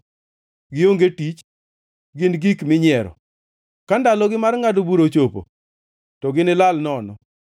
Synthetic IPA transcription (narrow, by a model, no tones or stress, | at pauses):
ɡɪoŋɡetit͡ʃ | ɡɪnɡikmɪɲɪɛɾɔ̰ | kandalɔɡɪmarŋadobuɾot͡ʃopo̰ | tɔɡɪnɪlalnɔnɔ